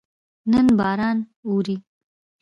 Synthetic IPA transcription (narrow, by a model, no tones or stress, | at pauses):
nənbɑːɾɑːnoɾi